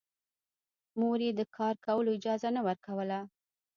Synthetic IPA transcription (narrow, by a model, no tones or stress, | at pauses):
moɾed̪əkʰɑɾkawəloɪd͡ʒɑzanawəɾkawəla